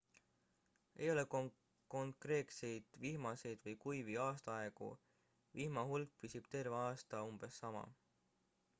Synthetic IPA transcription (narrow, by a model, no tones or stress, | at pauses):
e̞̰jo̞lek | koŋkre̞ːt̪se̞jd̪̥vihmɑse̞jd̪̥vɤjkujviɑːst̪ɑɑe̞ɡṵ | vihmɑɦulk̚pisib̥t̪e̞rveɑːst̪ɑumb̥e̞sːɑmɑ̰